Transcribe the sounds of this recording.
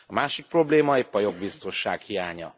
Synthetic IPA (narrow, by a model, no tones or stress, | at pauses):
ɒmaːʃik̚pro̞bleːmɒeːpːɒjo̞ɡ̚bist̪o̞nʃa̰ːkhijaːɲɒ̰